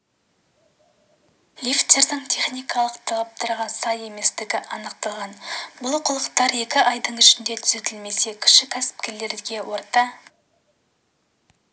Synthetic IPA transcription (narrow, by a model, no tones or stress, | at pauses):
lʲift̪e̞ɾd̪ɪɴt̪ʲʰe̞χnijkɑlˠəqt̪ʰɑlˠɑp̚t̪ʰɑɾʁɑnsɑje̞me̞st̪ɪɡʲɪʔɑnəq̚t̪ɑlˠʁɑnbʊlˠqʰʊlˠəqt̪ɑɾe̞kʲɪʔɑjd̪əɴʏʃɪnd̪e̞t̪ʰʏ̥ze̞t̪ɪlme̞se̞kʲʰɪ̥ʃɪkʲʰæsɪ̥p̚kʲe̞ɾle̞ɾɡʲe̞wʔo̞ɾt̪ɑ